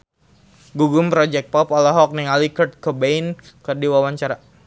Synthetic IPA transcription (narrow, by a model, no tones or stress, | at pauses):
ɡuɡʊmpɾɔd͡ʒɛk̚t̚pɔpɔlaɦɔk̚niŋalikərt̪̚kəbejn | kərdiwawaɲt͡ʃaɾa